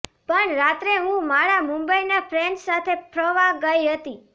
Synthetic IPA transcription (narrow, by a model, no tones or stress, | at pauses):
pəɳɾat̪ɾeɦũmaɾamumbəinapʰɾɛɳɖsat̪ʰepʰɾəʋaɡəjɦət̪i